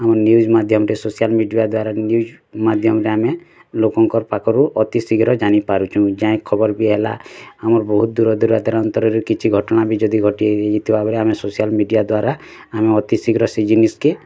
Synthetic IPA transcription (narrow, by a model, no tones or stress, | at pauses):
amɔɾnjud͡ʒmad̪ʱjɔmɾesosijalmiɖijad̪waɾanjud͡ʒ | mad̪ʱjɔmɔɾeame | lokɔŋkɔɾpakɔɾuʔɔt̪isiɡɾɔd͡ʒanipaɾut͡ʃʰũd͡ʒãẽkʰɔbɔɾbiɦela̰ːmɔɾbɔɦut̪̚d̪uɾɔd̪uɾad̪ʱaɾɔnt̪ɔɾɔɾekit͡ʃʰiɡʱɔʈɔɽ̃abid͡ʒɔd̪iɡʱɔʈieeit̪ʰibʱabɔɾeamesosijalmiɖijad̪waɾa | ameɔt̪isiɡɾɔsid͡ʒiniske